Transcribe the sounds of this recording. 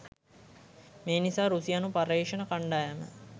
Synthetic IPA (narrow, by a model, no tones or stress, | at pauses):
meːnisaːɾusijanupaɾeːʂənəkaɳɖaːjamə̰